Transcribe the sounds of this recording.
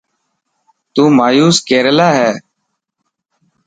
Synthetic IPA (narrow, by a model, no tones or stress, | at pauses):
t̪uːmaːjuːskeːɾəlaːɦɛː